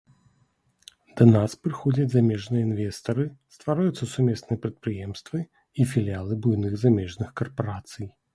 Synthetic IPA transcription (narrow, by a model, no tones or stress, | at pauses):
d̪̥ɐnaspɾɨxɔd͡zʲɐd͡zʲzamʲɛʐnɨjəinvʲɛst̪ɐɾɨst̪vaɾajut̪sːɐsumʲɛsnɨjɐpɾɐt̪̚pɾɨjɛmst̪vɨ | ifʲilʲialˠɨbujnɨɣzamʲɛʐnɨxkɐrpaɾat̪sɨj